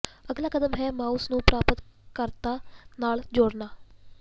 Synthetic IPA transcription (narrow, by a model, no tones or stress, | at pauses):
əɡlaːkəd̪əmɦɛːmaːusnũːpɾaːpət̪kəɾt̪aːnaːld͡ʒoːɽnaː